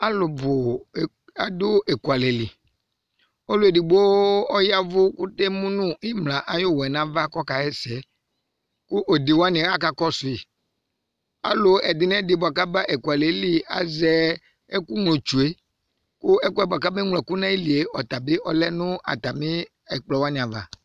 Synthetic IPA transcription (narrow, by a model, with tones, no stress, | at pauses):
a˦lʊ˨bʊ˨ | a˨dʊ˦ʔe˨ku˨a˨le˨li˨ | o˦lʊ˦˨e˨dɪ˨bo˦ɔ˦ja˦vʊ˦kʊ˦te˦mũ˦nʊ̃˦i˦mlã˨ʔa˨jo˦wɛ˨nã˨˦va˦kɔ˦ka˨ɛ˦sɛ˨˦ | kʊ˦ʔo˨dɪ˨wa˦nɪ̃˨a˦ka˦kɔ˦sʊ˨i˨ | a̰˦lo˨ɛ˨dɪ˨nɛ̃˦di˨ba˨ka˦ba˦ʔe˨ku˨a˨le˨˦li˨a̰˨zɛ˦ | e˦ku˦ŋlõ˨t͡ʃu˨e˦ | kʊ˦ɛ˦ku˦ɛ˨bo˨a˨ka˦be˦ŋlɛ˨ku˦nã˦i˦li˨e˦ɔ˨t̪a˨be˦ʔɔ˦lɛ˦nʊ̃˦a̰˨t̪a˨mĩ˦ | ɛ˨k͡plɔ˨wa˦nĩ˨a˨va̰˨